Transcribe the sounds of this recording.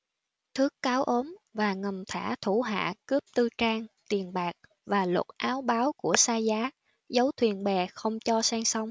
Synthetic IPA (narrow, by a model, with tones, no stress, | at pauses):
t̪ʰɨ˨˦˥kːaː˨˦wʔo˨˦nvaː˨˩ŋə˨˩mt̪ʰa̰ː˧˩t̪ʰu˧˩ɦa̰ː˧˨kɨ˦˥əp̚t̪ɨ˧t͡ɕaː˧ŋt̪i˨˩ənɓaː˨˩k̚ | vaː˨˩lwə̰˨˩t̚ʔaː˨˦wɓaː˨˦wku˧˩əsaː˧zaː˨˦ | zə˨˦wt̪ʰwi˨˩ənɓɛ˨˩xə˧wŋ͡mt͡ɕɔ˧saː˧ŋsɔ˧wŋ͡m